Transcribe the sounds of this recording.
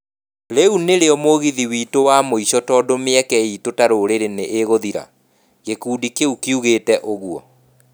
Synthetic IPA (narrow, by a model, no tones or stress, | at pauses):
ɾeuneɾeɔmoɣiðiwiːtowamoiɕɔtɔːdomeɛkɛitotaɾoɾeɾeneʔeɣoðiɾa̰ | ɣekuːdikeukiuɣeːtɛʔoɣuɔ